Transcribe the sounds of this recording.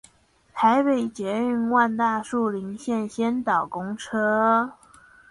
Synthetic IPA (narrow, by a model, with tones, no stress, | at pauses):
t̪ʰa˧˥ɪpe˨˩ɪt͡ɕjɛ˧˥y˥˩nwa˥˧nt̪a˥˧ʂu˥˩li˧˥ŋɕjɛ˥˩nɕjɛ˥nt̪ɑ˨˩ʊkʊ˥ŋʈ͡ʂʰɤ˥